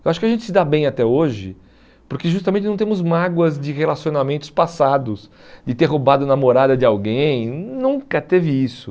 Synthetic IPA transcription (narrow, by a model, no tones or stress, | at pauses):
ewaʃʊkɪaʒẽnt͡ʃɪ̥sɪd̪abẽj̃at̪ɛoʒɪ | pʊɾkeʒust̪amẽt͡ʃɪnɐ̃w̃t̪ẽmʊzmaɡwɐzd͡ʒɪhelasionamẽnt̪ʊspasad̪ʊs | d͡ʒɪt̪eɾɦobad̪ʊnɐmoɾad̪ɐd͡ʒɪawɡẽj̃nũŋkɐt̪evɪisʊ